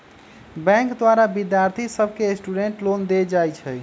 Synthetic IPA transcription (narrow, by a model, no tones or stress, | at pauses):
bɛ̃ŋkd̪waɾabid̪jaɾt̪ʰisəbʱkesʈuɖeɳʈlond̪ed͡ʒajt͡ʃʰɛ